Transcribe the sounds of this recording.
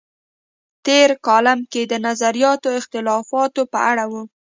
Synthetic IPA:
t̪eɾkɑlamked̪ənazaɾijɑt̪oɪxt̪ɪlɑfɑt̪opəʔaɽawu

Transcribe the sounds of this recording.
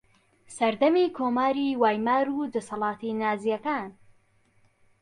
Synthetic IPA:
sɐɾd̪ɐmiːkʰoːmaːɾiwaːjmaːɾud̪ɐsɑlˠɑːt̪inaːzijɐkaːn

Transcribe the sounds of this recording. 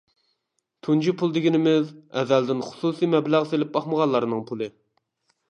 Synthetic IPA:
t̪ʰund͡ʒipʰulˠd̪ɪɡʲinɪmɪzɛ̰ðæld̪ɪnχʊ̥susimɛblæʁselɪp̚bɑχməʁɑlːˠɑɾnɨŋpʰulˠɨ

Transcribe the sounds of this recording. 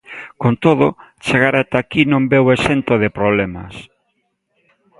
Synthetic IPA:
kont̪oð̞ot͡ʃeɣaɾat̪akinõmbewesent̪oð̞ɪpɾoβlemɐ̰s

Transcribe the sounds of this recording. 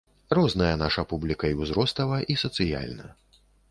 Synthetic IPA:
rɔznɐjɐnaʂɐpublʲikɐiwzɾɔst̪ɐvɐʔisɐt̪sɨja̰lʲnɐ̰

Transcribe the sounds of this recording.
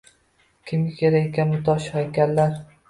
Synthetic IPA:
kʲʰɪmʲɪkʲʰeɾakʲanmʊt̪ʰɒʃhajkʲallaɾ

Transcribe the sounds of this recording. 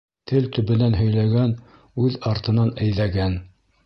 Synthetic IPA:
t̪ʰɘlt̪ɵ̆βɘ̆nænɦɵ̆jlæɡæn | ʉðɑɾt̪ɤ̆nɑnæ̆jðæɡæn

